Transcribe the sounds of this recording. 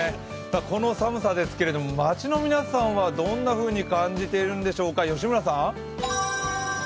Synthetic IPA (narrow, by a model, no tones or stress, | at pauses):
saːko̞no̞samɯ̟sad̪e̞sɨ̥ke̞ɾe̞d̪o̞momat͡ɕino̞mʲinasãɰ̃βad̪õ̞nːaɸɯ̟ːɲ̟ikãɲ̟d͡ʑit̪e̞ɾɯ̟̃nd̪e̞ɕo̞ːkajo̞ɕ̬imɯ̟ɾas̬ã